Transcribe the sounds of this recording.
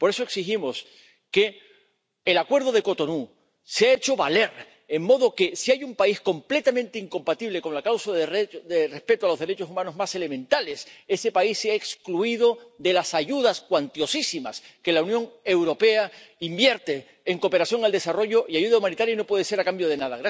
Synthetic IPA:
po̞ɾe̞so̞eksiximo̞s | ke̞ː | lakwe̞ɾðo̞ðe̞ko̞t̪o̞nu | seae̞t͡ʃo̞βale̞ɾ | eŋmo̞ðoke̞siajumpaisko̞mple̞t̪amẽnt̪eiŋko̞mpat̪iβle̞ko̞nlakawsaðd̪ere̞spe̞t̪oalo̞zðeɾe̞t͡ʃo̞sumãno̞zmase̞le̞mẽnt̪ale̞se̞se̞paisːeaekskluiðo̞ðe̞lasaʝuðaskwant̪jo̞sisima̰ske̞launjõ̞ŋe̞wɾo̞pe̞aimbje̞ɾt̪e̞ː | ŋko̞pe̞ɾasθjo̞ŋald̪e̞saro̞ʝo̞ʔiaʝuð̞aumãnit̪aɾjaino̞pwe̞ðese̞ɾakambjo̞ð̞e̞naðaɣɾa

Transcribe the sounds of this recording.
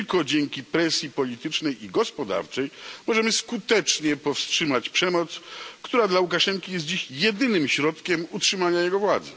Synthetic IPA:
lkɔd͡ʑɛŋkʲipɾɛsʲjipɔlʲit̪ɘt͡ʂnɛjiɡɔspɔd̪a̰ɾt͡ʂɛjmɔʐɛmɘskut̪ɛt͡ʂɲɛpɔfstʂɘmat͡ɕpʂɛmɔt̪skt̪uɾad̪laukaʂɛŋkʲijɛst̪̚d͡ʑiɕjɛd̪ɘnɘmɕɾɔt̪kʲɛmutʂɘmaɲajɛɡɔvwad̪zɛ̰

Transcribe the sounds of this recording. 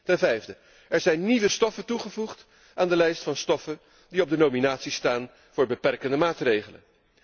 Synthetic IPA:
tɛnvɛjvdə | ɛɹzɛjnːiʋəstɔfətuχəvuχt | ʔaːndəlɛjstfɑnstɔfə | diɔb̚dənowminaːtsistaːn | vʊːɹbəpɛrkəndəmaːtrejχələ̰n

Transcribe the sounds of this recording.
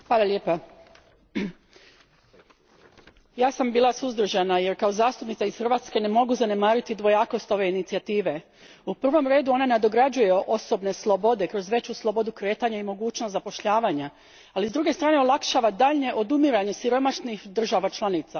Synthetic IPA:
xʋaːlˠalʲjeːpa | jaːsambiːlˠasuzd̪ɾ̩ʒanaje̞ɾkao̞zaːst̪upnit̪saisxr̩ʋat̪ske̞ne̞mo̞ɡuzane̞maːɾit̪id̪ʋo̞jaːko̞st̪o̞ʋe̞init̪siat̪iːʋe̞ | upr̩ʋomɾe̞ːd̪uo̞naned̪o̞ɡɾad͡ʑujeʔo̞so̞bne̞slˠo̞bo̞d̪e̞kɾo̞zʋe̞t͡ɕuslˠo̞bo̞d̪ukɾe̞ːt̪aɲaimo̞ɡuːt͡ɕnost̪zapo̞ʃʎaːʋaɲa | alizd̪ɾuɡe̞st̪ɾaːne̞olˠakʃaːʋad̪aʎɲe̞ʔo̞d̪umiɾaɲe̞siɾo̞maʃnixd̪r̩ʒaʋat͡ʃlˠanit̪sa

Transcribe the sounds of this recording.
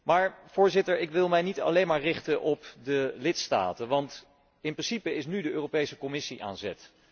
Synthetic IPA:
maːɹv̥ʊːɹzɪtəɹɪkʋɪlˠmɛjnitɑ̰lejnmaːɹrɪχtənʔɔpdəlɪtsta̰ːtənʋɑnt | ɪnprɪnsipəɪsnydəʔøːrowpejsəkɔmɪsiʔa̰ːnzɛ̰t

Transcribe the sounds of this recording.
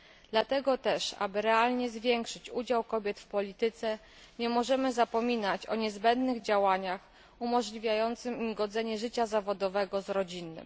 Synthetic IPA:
d̪̥lat̪ɛɡɔt̪ɛʂa̰bɘɾɛalɲɛzvʲjɛŋkʂɘt͡ɕud͡ʑawkɔbʲjɛt̪fpɔlʲit̪ɘt̪sɛ | ɲɛmɔʐɛmɘzapɔmʲinat͡ɕɔ̰ɲɛzbɛnd̪nɘɣd͡ʑawaɲax | umɔʐlʲivʲjajɔnt̪sɘmimɡɔd̪zɛɲɛʐɘt͡ɕazavɔd̪ɔvɛɡɔzɾɔd͡ʑinːɘ̰m

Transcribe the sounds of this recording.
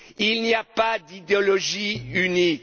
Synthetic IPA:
ilniapad̪id̪eɔlɔʒiynik

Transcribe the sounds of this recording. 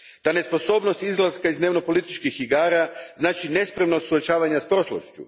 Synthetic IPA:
t̪ane̞spo̞so̞ːbno̞st̪izlˠaskaizd̪ne̞ʋno̞po̞lit̪it͡ʃkixiɡaːɾaznaːt͡ʃine̞spɾemnosuot͡ʃaːʋaɲaspɾo̞ʃlo̰ʃt͡ʃṵ

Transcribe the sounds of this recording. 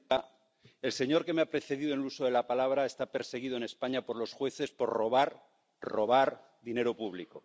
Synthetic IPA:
e̞lse̞ɲo̞ɾke̞meapɾe̞θe̞ðiðonluso̞ðe̞lapalaβ̞ɾae̞st̪ape̞ɾse̞ɣ̞iðone̞spaɲapoɾlo̞sxwe̞θe̞spo̞ɾro̞βaɾ | ro̞βaɾ | ðine̞ɾopuβ̞liko̞

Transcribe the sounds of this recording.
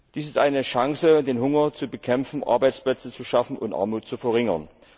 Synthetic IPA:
d̥iːs̬ɪstʔaɪnəʃaŋsədeːnɦʊŋɐt͡subəkʰɛmfn̩ʔa̰ɐbaɪt͡splɛt͡sət͡suʃafn̩ʔʊntʔa̰ɐmuːtt͡sufɛɐʁɪŋɐn

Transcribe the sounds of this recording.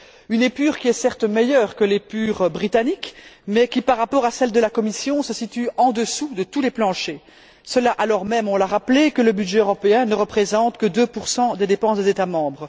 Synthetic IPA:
ynepyːʁkʲiɛsɛʁt̪mejœːʁkəlepyːʁbʁit̪anikmɛkʲipaʁːapɔʁasɛld̪əlakɔmisjɔ̃səsit̪yɑ̃d̪əsud̪ət̪uleplɑ̃ʃe | səlaʔalɔʁmɛmɔ̃laʁaplekələbyd̪ʒɛøʁɔpeɛ̃nəʁəpχezɑ̃t̪kəd̪øpuʁsɑ̃d̪ed̪epɑ̃sd̪ezet̪amɑ̃bʁə

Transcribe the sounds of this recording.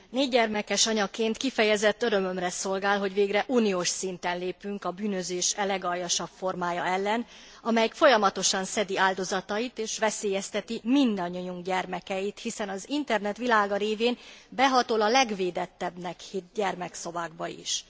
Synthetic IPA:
neːɟɟɛrmɛkɛʃɒɲɒkeːnt̪kifɛjɛzɛt̪ːøɾø̞mø̞mrɛso̞lɡaːlɦo̞ɟʋeːɡrɛʔuːnioːʃsint̪ɛnleːpyŋkɒbyːnøzeːʃɛlɛɡɒjɒʃɒpfo̞rmaːjɒɛlːɛn | ɒmɛjkfo̞jɒmɒt̪o̞ʃɒnsɛd̪iaːld̪o̞zɒt̪ɒjit̪eːʃʋɛseːjɛst̪ɛt̪imind̪ɒɲːoɲuŋɡɟɛrmɛkɛjit̪hisɛnɒzint̪ɛrnɛt̪ʋilaːɡɒɾeːveːnbɛɦɒt̪olɒlɛɡveːd̪ɛt̪ːɛbnɛkhit̪̚ɟɛrmɛkso̞vaːɡ̚bɒḭʃ

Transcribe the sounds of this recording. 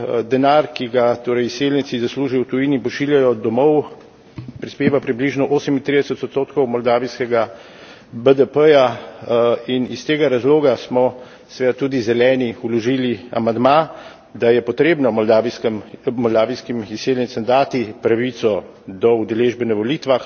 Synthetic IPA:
d̪ɛnaɾkiɡat̪oːɾɛjiseljnisizasluːʒiwt̪ujiːnipɔʃiːljajɔd̪ɔmɔw | pɾispeːʋapɾibliʒnɔʔoːsəmint̪ɾid̪ɛsət̪ɔt̪st̪oːt̪kɔwmɔld̪aːʋiskɛɡa | bəd̪əpəja | inist̪eːɡaɾazloːɡasmɔ | sʋɛd̪at̪uːd̪izɛlɛːniulɔʒilia̰mand̪ma | d̪ajɛpɔt̪ɾeːbnɔmɔld̪aʋiskmmɔld̪aːʋiskimiseljɛntsɛmd̪aːt̪ipɾaʋit̪sɔ | d̪ɔud̪ɛleʒbɛnɛʋɔliːt̪ʋax

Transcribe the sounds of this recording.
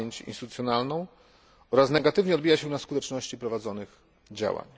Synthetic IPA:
eɲt͡ɕḭnst̪ɘt̪ut̪sʲjɔnalnɔ̃w̃ | ɔɾasnɛɡat̪ɘvɲɛɔd̪̚bʲijaɕɛnaskut̪ɛt͡ʂnɔɕt͡ɕipɾɔvad̪zɔnɘx | d͡ʑa̰wa̰ɲ

